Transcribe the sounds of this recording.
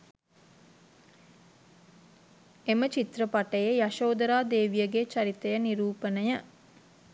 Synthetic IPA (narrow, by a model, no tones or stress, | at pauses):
emət͡ʃit̪rəpaʈəjejaʃoːd̪əɾaːd̪eːʋijəɡet͡ʃaɾit̪əjəniɾuːpənəjə